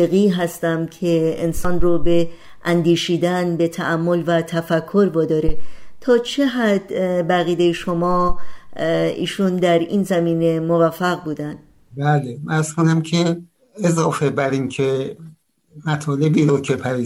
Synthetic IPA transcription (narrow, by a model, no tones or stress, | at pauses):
eɣiːɦæst̪æmcʰe̞ensɒnrobe̞ | ʔænd̪iːʃiːd̪ænbe̞t̪ʰæʔæmːolvæt̪ʰæfækʰːo̞ɾbɒːd̪ɒːɾet̪ʰɒːt͡ʃʰeɦæd̪bæɣiːd̪ejeʃomɒː | ḭːʃund̪æɾḭnzæmiːne̞movæfːæɣbuːd̪ænd̪̥ | bæːleæɾz̥kʰonæmkʰe | ezɒːfebæɾincʰe | mæt̪ʰɒːlebiːɾokʰepʰæɾiː